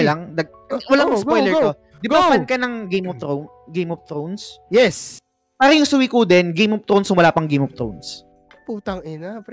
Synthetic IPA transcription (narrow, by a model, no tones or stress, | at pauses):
laŋd̪ɐɡ̚ | ɐwɐlaŋspojlɛɹo | d̪ɪbɡbamɐnkɐnɐŋɡejmɔft̪ɾown | ɡejmɔft̪ɾownsjɛs | paːɾɐjʊŋsʊwikud̪ɛnɡejmɔf̚t̪ɾownsʊŋwɐlaːpɐŋɡejmɔft̪ɾowns | puːt̪ɐŋɪnap